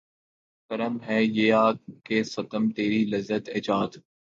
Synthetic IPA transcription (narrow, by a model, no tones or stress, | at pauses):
kəɾəmɦɛːjeːaːkeːsɐt̪əmt̪eːɾilɐzːət̪ɪːd͡ʒaːd̪